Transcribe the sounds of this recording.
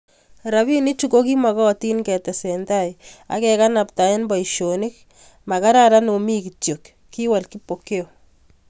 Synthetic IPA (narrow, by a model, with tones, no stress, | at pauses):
ɾaβi˦ni˦t͡ʃu˦ko˦ki˦ma˨kɔ˦ti˦nkɛ˨tɛ˨sɛntaja̰˦kɛka˦na˨p̚ta˨e˦nba˨iʃonɪ˦k̚ | ma˨ka˦ɾaɾa˦no˨mi˦ki˨tjo˨kːi˦wa˨lki˦po˨ke˦o˨